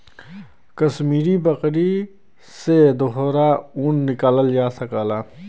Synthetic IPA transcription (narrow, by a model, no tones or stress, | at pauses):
kəsmiːɾibəqɾi | sed̪oɦɾauːnːɪkaːləld͡ʒaːsɐkaːlaː